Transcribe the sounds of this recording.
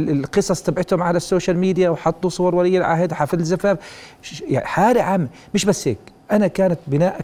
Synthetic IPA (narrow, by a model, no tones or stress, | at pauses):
ɪlqɨsˤɑsˤt̪abʕɪt̪hʊmʕalasːoːʃalmiːd̪jawħɑt̪ˤːusˤʊwɑɾˤwalijːɪlʕa̰hɪd̪ħafðɪzːafaɾ | ħaːɾɪʕam | mɪʃbasːhḛːkʔanakaːnat̪bɪnaːʔa